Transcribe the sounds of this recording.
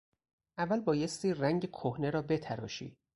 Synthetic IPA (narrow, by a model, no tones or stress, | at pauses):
ʔævːælbɒːje̞st̪iːræŋɟekʰohne̞ɾɒːbe̞t̪ʰæɾɒ̰ːʃḭː